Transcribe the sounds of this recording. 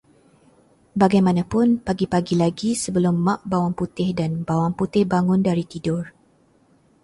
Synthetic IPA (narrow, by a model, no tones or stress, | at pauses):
baɡajmãnãpʊnpaɡipaɡilaɡisəbəlʊmːãʔbawaŋput̪ɪhdanbawaŋput̪ɪhbaŋʊndaɾit̪idʊr